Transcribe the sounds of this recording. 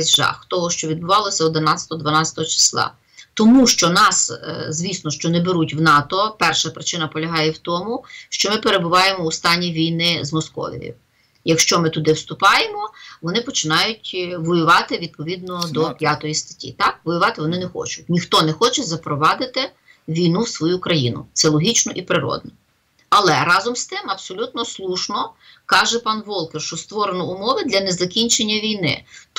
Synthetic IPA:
zʒɑ̰xt̪ɔɦɔʃt͡ʃɔʋʲid̪̚bʊʋɑlˠɔsʲɐɔd̪ɪnɑtt͡sʲɐ̥t̪ɔɔd̪ʋɐnɑsʲɐ̥t̪ɔɦɔt͡ʃɪ̥slˠɑ̰ | t̪ɔmuʃt͡ʃɔnɑszʲʋʲisnɔʃt͡ʃɔnɛbeɾutʲwnɑt̪ɔpɛrʃɐpɾɪt͡ʃɪnɐpɔlʲɐɦɑjɛwt̪ɔmʊʃt͡ʃɔmɪpeɾebʊʋɑjemɔːst̪ɑnʲiʋʲijnɪzmɔskɔ̰ʋʲḭʋʲḭw | jɐkʃt͡ʃɔmɪt̪ʊd̪ɪwst̪ʊpɑjemɔʋɔnɪpɔt͡ʃɪnɑjʊtʲʋɔjʊʋɑt̪ɪʋʲid̪̚pɔʋʲid̪̚nɔd̪ɔpʲjat̪ɔjist̪ɐ̥tʲːḭt̪ɑk̚ʋɔjʊʋɑt̪ɪʋɔnɪnɛxɔ̰t͡ʃʊt̚ʲnʲixt̪ɔnɛxɔt͡ʃɛzɐpɾɔʋɑd̪ɪt̪ɪ | ʋʲijnuwsʋɔjukɾɐjinʊ̰t̪sɛlˠɔɦʲit͡ʃnɔʔipɾɪɾɔ̰d̪̚nɔ | ɐlˠɛɾɑzɔmst̪ɪmɐbsɔlʲut̪̚nɔslˠuʃnɔ | kɑʒɛpɑnʋɔlˠkɛrʃt͡ʃɔst̪ʋɔɾenɔʊmɔʋɪd̪lʲɐnɛzɐkʲinʲt͡ʃenʲːɐʋʲijnɪ̰

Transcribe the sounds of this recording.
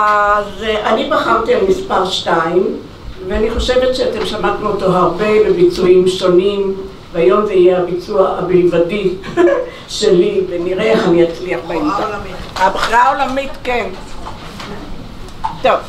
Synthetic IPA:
ʔazʔanibaχamtialmispaʁʃtaim | veaniχoʃe̞ve̞tʃeatemʃamatnuoto̞ɦaʁbe̞bebit͡suimʃo̞nim | veajo̞mzeijeabit͡suaabejvadi | ʃe̞liveniʁeeχaniat͡sliaχbim | abχiʁaolamitken | t̪ov

